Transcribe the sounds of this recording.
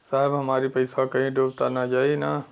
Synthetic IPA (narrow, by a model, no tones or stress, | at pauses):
saːɦɪbɦɐmaːɾipɐɪsakɐɦĩɖoːʋt̪anad͡ʒaːina